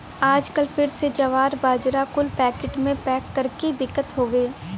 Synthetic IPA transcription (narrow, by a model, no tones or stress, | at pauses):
aːd͡ʒkəlpʰɪɾsed͡ʒɐʋaːɾbaːd͡ʒɾakʊlpɛːkɪʈmẽpɛːkːɐɾkebɪkət̪ɦoːʋeː